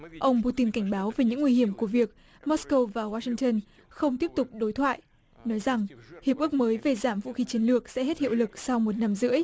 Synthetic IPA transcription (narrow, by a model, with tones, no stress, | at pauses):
ʔə˧wŋ͡mpu˧t̪i˧nka˧˩jŋ̟ɓaː˨˦wve˨˩ɲɨ̰˧˥ŋwi˧hi˧˩əmku˧˩əvi˨˩ək̚ | mɔ˦˥tskə˧wvaː˨˩waː˧sï˧ŋt̪ə˧n | xə˧wŋ͡mt̪i˦˥əp̚t̪ʊ˨˩k͡p̚ɗo˨˦jt̪ʰwa̰ː˧˨jʔ | nɔ˨˦jza˨˩ŋhi˨˩əp̚ʔɨ˦˥ək̚məː˨˦jve˨˩zaː˧˩mvṵ˧˨xi˨˦t͡ɕi˨˦nlɨ˨˩ək̚sɛ̰˧˥hɦe˦˥t̚hḭ˧˨əwlɨ˨˩k̚sa˧wmo˨˩t̚na˧mzɨ̰˧˥əj